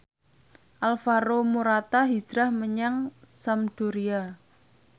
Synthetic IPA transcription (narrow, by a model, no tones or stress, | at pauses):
ʔalfaɾomuɾat̪aɦi̥d͡ʒɾahməɲaŋsamd̥uɾia